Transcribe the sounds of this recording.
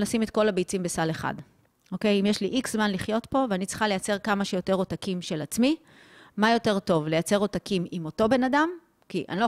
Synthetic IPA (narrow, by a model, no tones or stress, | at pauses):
lasimetko̞labejt͡simbe̞saleχa̰d | okejimjeʃliʔikz̥manliχjo̞tpo̞veanit͡sχale̞jat͡se̞ʁkamaʃejo̞te̞ʁo̞takimʃe̞lat͡smi | majo̞te̞ʁto̞vle̞jat͡se̞ʁo̞takimimo̞to̞be̞nadam | kiʔa̰nilo